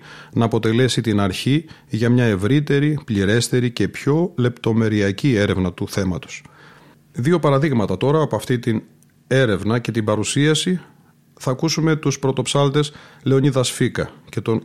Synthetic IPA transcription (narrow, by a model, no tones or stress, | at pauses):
nɐːpot̪e̞le̞sit̪inɐɾçi | ʝɐmɲɐe̞vɾit̪e̞ɾipʎiɾe̞st̪e̞ɾice̞pço̞le̞pt̪o̞me̞ɾiɐcie̞ɾe̞vnɐt̪uθe̞mɐt̪o̥s | ðio̞pɐɾɐðiɣmɐt̪ɐt̪o̞ɾɐːpoɐft̪it̪in | e̞ɾe̞vnɐce̞t̪ibɐɾusiɐsi | θɐːkusume̞t̪uspɾo̞t̪o̞psɐlt̪e̞sle̞o̞niðɐsfikɐce̞t̪o̞n